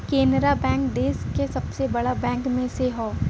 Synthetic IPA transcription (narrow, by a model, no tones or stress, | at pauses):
keːnɾabɛ̃ːŋkd̪eːskesɐbsebɐɽabɛ̃ːŋkmẽseɦoː